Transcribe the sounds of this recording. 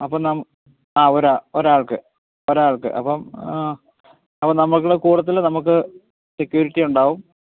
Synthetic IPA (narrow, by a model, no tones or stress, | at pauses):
ɐpːɐmnɐm | aːoɾaoɾaːɭkɨ | oɾaːɭkɨ̰ʔɐ̰pːɐm | ɐpːɐmnɐmːɐɭk̬ːuɽekuːɽɐt̪̬ːilnɐmuk̬ːɨ | sekʲːjuːɾiʈːijuɳɖaːʋum